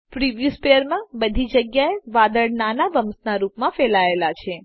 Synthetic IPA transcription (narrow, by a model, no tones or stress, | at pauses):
pɾiʋjuspejəɾmãbəd̪ʱid͡ʒəɡjaeʋad̪əɽnanaʋəmsnaɾupmãfɛlaelat͡ʃʰe